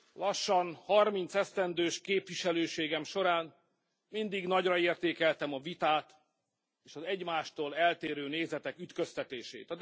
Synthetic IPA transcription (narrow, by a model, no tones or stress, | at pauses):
lɒʃːɒnhɒrmint̪sɛst̪ɛnd̪øːʃkeːpʋiʃɛløːʃeːɡɛmʃo̞ɾaːn | mind̪iɡnɒɟrɒeːrt̪eːkɛlt̪ɛmɒvit̪aːt̪ | eːʃɒzɛɟmaːʃt̪oːlɛlt̪eːɾøːneːzɛt̪ɛkyt̪kø̞st̪ɛt̪eːʃḛːt̪ɒ